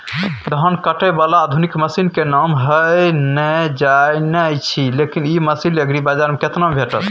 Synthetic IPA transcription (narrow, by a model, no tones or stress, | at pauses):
t̪əɦənkəʈɛbalaːd̪ʱunikməsinkenamɦəjnəd͡ʒajnəjt͡ʃʰilekiniməsiləɡɾibad͡ʒaɾmeket̪nambʱeʈə̰t̪